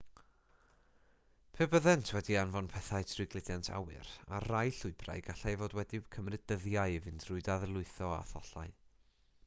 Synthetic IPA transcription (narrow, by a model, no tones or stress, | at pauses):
pʰɛːbəðɛntʰwɛdianvɔnpʰɛθaɨtʰrɪɡlˠɨdantʰa̰wɨ̰ɾa̰rajɬʊɨbra̰jɡaɬajvoːdwɛdikʰəmrɨdəðjaɨvɨndrʊɨdaðɛlˠʊɨθɔa̰θɔɬaɨ